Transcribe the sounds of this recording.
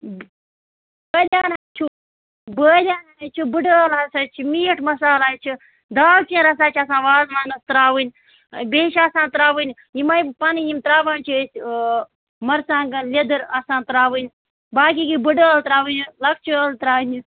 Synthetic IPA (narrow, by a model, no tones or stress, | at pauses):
bəːlʲaːnaːnt͡ʃʰu | bəːlʲaːnat͡ʃʰubɨɖəːlaːsaːt͡ʃʰimiːʈmɐsaːlaːt͡ʃʰi | d̪aːwt͡ʃĩɾɐsaːt͡ʃʰɐsãːʋaːzmaːnɐst̪ɾaːwɨnʲ | beːʃasãːnt̪ɾaːʋɨnʲ | jimɐjpɐnijimt̪ɾaːʋaːnʲt͡ʃʰuesʲ | mɐɾsãːŋɡɐlʲɐd̪ɨɾɐsãːnt̪ɾaːʋɨnʲ | baːkiːkibɨɖəːlt̪ɾaːwɨnʲlɐk̚t͡ʃʰəːlt̪ɾaːwnʲi